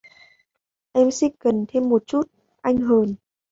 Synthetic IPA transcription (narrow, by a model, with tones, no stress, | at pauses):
ʔɛ˧msi˦˥k̚kə˨˩nt̪ʰe˧mːo˨˩t̚t͡ɕu˦˥t̚ | ʔa˧jŋ̟ɦəː˨˩n